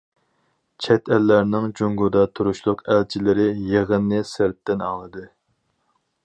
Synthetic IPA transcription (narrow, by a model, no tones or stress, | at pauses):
t͡ʃʰɛt̪ʰælːæɾnɪŋd͡ʒuŋɡud̪ɑt̪ʰuɾuʃlˠʊqʰælt͡ʃʰilɪɾɪjeʁənːɨsɪɾt̪ːɪnɑ̰ŋlˠɨd̪ɨ